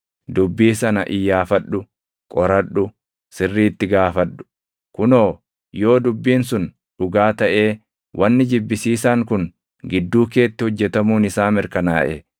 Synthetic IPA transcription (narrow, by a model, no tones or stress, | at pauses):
d̪ʊbːiːsɐnɐʔɪjːaːfɐɗːʊ | kʼɔɾɐᶑʊ | sɪrːiːt̪ːɪɡaːfɐɗːʊ̥ | kʊnoː | jo̞ːd̪ʊbːiːnsʊn | ᶑʊɡaːt̪ɐʔeː | wʔɐnːɪd͡ʒɪbːɪsiːsaːŋkʊn | ɡɪd̪ːuːke̞ːt̪ːɪhɔd͡ʒːɛt̪ɐmuːnɪsaːmɪɾkɐna̰ːʔɛ